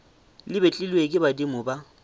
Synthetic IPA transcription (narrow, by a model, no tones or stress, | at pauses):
lɪbet͡ɬʼɪlwekʼɪbadimʊba